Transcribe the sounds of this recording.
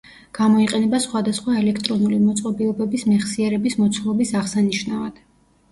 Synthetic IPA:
ɡ̥amɔiqʼɛnɛbasχwad̪asχwaɛlɛkʰt̪ʼɾɔnulimɔt̪sʼqʼɔbiɔbɛbismɛχsiɛɾɛbismɔt̪sʰlˠɔbisaʁsaniʃnavad̪̥

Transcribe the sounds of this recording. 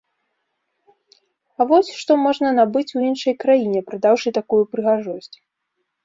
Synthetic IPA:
ɐvɔsʲʂt̪ɔmɔʐnɐnabɨt͡sʲuinʂɐjkɾajinʲɛpɾad̪awʂɨt̪akujupɾɨɣaʐɔsʲt͡sʲ

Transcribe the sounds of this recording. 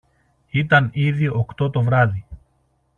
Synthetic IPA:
it̪ɐniðio̞kt̪o̞t̪o̞vɾɐði

